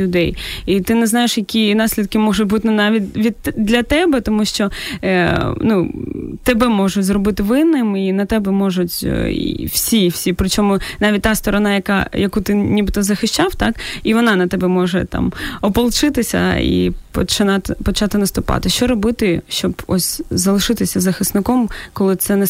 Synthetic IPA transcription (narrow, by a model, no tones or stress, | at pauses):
ʊd̪ɛjit̪ɪnɛznɑjeʃjɐkʲinɑsʲlʲid̪kɪmɔʒʊt̚ʲbut̪ɪnnɑʋʲit̚ʲʋʲid̪lʲɐt̪ɛbɛt̪ɔmuʃt͡ʃɔ | nut̪ɛbɛmɔʒʊzrɔbɪt̪ɪʋɪnːɪminɐt̪ɛbɛmɔʒʊtʲḭwsʲiwsʲipɾɪt͡ʃɔmʊnɑʋʲit̚ʲt̪ɑst̪ɔɾɔnɑjɐkɑ̰jɐkut̪ɪnʲibɪt̪ɔzɐxɪʃt͡ʃɑwt̪ɑkiʋɔnɑnɐt̪ɛbɛmɔʒɛt̪ɑ̰mɔpɔlˠt͡ʃɪt̪ɪsʲɐ̰ḭpɔt͡ʃɪnɑt̪pɔt͡ʃɑt̪ɪnɐst̪ʊpɑ̰t̪ɪʃt͡ʃɔɾɔbɪt̪ɪʃt͡ʃɔbɔ̰sʲzɐlˠɪʃɪt̪ɪsʲɐzɐxɪsnɪkɔmkɔlˠɪt̪sɛnɛ